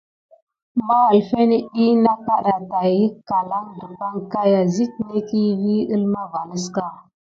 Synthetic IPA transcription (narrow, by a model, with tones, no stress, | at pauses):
ma˦ɣa˨lfe˦ni˦ɗi˦na˦ka˦ɗa˨ta˨ji˦kːa˨la˦ŋdu˨pa˦ŋka˦ja˨zi˦tne˦ki˦vi˦i˦lma˦va˨ni˦ska˦˨